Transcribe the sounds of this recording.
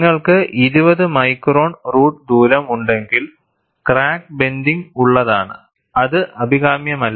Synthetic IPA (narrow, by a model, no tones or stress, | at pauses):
ŋːɐɭkɨʔiɾubɐðɨmɐjkro̞ːɳruːʈd̪uːɾɐmuɳɖe̞ŋɡil | kraːk̚be̞nd̪iŋuɭːɐðaːɳɨ̰ | ɐðɨʔɐbʱiɣaːmjɐmɐlː